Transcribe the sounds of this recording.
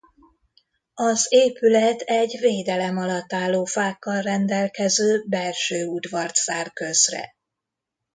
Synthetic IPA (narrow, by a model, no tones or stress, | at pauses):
ɒzeːpylɛt̪ʰɛɟveːd̪ɛlɛmɒlɒt̪ːaːlːoːfaːkːɒlrɛnd̪ɛlkɛzøːbɛlʃøːud̪vɒrt̪saːrkø̞zrɛ̰